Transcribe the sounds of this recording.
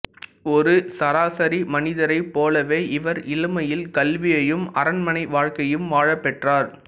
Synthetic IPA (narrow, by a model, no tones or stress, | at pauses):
ɔɾɯsɐɾaːsɐɾimɐnɪðɐɾɐɪpːoːlɐʋeːʔɪʋɐɾɪlɯmɐjɪlkɐlʋɪjɐjɯmɐɾɐnmɐnɐɪʋaːɻkɐjɯmʋaːɻɐpːɛʈraːɾ